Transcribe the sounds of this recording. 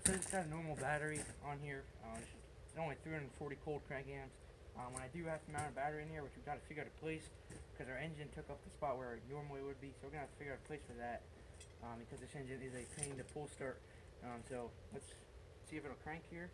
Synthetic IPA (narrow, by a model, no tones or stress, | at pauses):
soɨkʰãndɨnɔɹml̩ˠbæɾə˞iə̃nɦiɹ | ʌ | sõʊ̃nliθɹihʌ̃nən̩fɔɹɾikʰoʊlˠd̚kʰɹ̥æ̃ŋk̚ɡæ̃ɪ̃mz̥ | ʔʌ̃mwə̃naɪdɨhæftəmãʊ̃nɨbæɾə˞iɨ̃nhiɹwɨt͡ʃwiɡɑtʰɨfɪɡjə˞aʊɾə̥pʰl̥eɪs | b̥kʰʌzə˞ɛ̃nd͡ʒɨ̃ntʰʊkʌp̚ðɨspɑt̚wə˞nɔɹm̩weɪwɨd̚bisoʊwɨɹɡtə̥fɪɡə˞aʊɾə̥pʰl̥eɪsfə˞ðæt̚ | ʔʌbɨkʰʌzðɪsɛ̃nd͡ʒɨ̃nɪzɨpʰẽɪ̃nðɨpʰulˠstɑɹt̚ | ʌ̃soʊ | wʌts | siɨbɪɾl̩ˠkʰɹ̥æ̃ŋkhiɹ